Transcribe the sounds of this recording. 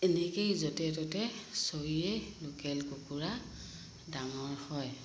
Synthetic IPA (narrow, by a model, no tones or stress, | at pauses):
enɛkejzotɛtɔtɛsoɹiɛnukɛlkukuɹa | daŋɔɹhɔj